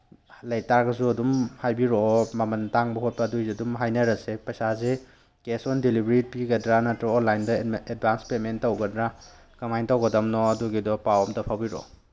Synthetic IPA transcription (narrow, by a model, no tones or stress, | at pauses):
lɐjtaɾɡɐsuɐdumhajbiɾɔmɐmɐntaŋbɐɦhot̚pɐːdujzeɐdumɦajnɐɾɐsepɐsaze | kesɔndelibɾit̚piɡɐdɾanɐtɾɔɔnlajndɐed̚bʱanspementɐwɡɐdɾa | kɐmajntɐwɡɐdɐmnɔɐduɡidɔpawɔmdɐpʰawbiɾɔ̰